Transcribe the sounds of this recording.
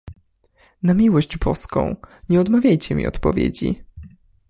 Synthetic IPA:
namʲiwɔʑd͡ʑbɔskɔ̰̃w̃ɲɛɔd̪mavʲjajt͡ɕɛmʲḭɔ̰t̪pɔvʲjḛd͡ʑḭ

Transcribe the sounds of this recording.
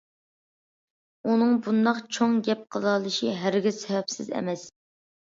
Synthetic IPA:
unɨŋbund̪ɑqt͡ʃʰoŋɡʲɛp̚qʰəlˠɑlˠɨʃiɦæɾɡʲɪzsɛvɛpsɪzɛ̰mɛs

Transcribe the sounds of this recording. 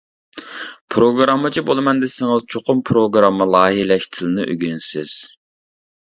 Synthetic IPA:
pʰɾoɡɾɑmːɨt͡ʃʰibolˠɨmɛnd̪ɪsɪŋɨzt͡ʃʰoqʊmpʰɾoɡɾɑmːəlˠɑːɦilɛʃt̪ʰɪlɨnɪʔø̰ɡʲynsɪz̥

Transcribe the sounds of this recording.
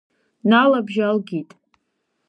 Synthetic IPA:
nalabʒalɡʲitʼ

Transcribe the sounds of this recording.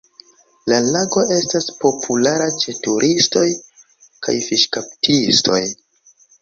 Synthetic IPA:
lalaɡo̞ʔe̞staspo̞pʰulaɾat͡ʃe̞tuɾʔisto̞j | ka̰jfiʃkap̚tʰistʰo̞̰j

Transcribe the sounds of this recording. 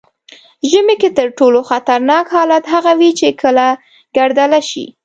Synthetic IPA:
ʒəmeket̪əɾʈoloxat̪aɾnɑkhɑlat̪ɦaɣawit͡ʃekʰəla | ɡ̥aɾd̪alaʃḭ

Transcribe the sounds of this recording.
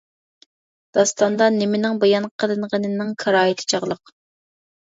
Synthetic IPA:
d̪̥ɑst̪ɑnd̪ɑnɪmɪnɪŋbojɑnqʰəlˠɨnʁənɨnɪŋkʰɑɾɑːit̪ʰɪ̥t͡ʃʰɑʁlˠəq

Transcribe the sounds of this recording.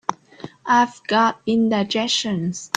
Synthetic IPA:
aɪvɡɑt̚bĩndaɪd͡ʒɛʃə̃ns

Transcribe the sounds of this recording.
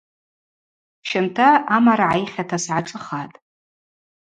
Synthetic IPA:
ʃɪntʰaamaɾaʕajχʲatʰasʕaʈ͡ʂʼɨχatʼ

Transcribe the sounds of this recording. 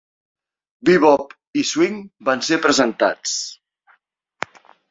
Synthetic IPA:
biβɔp | iswiŋbansepɾəzənt̪a̰t͡s

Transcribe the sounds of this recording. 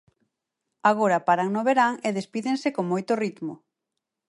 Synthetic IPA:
aɣ̞oɾapaɾaŋnoβeɾaŋeðespiðeŋsekoŋmojt̪ʊrit̪mʊ

